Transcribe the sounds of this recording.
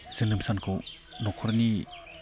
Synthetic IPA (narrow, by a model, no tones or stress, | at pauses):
sɯnɯmsankʰo | nɔkʰɔɾni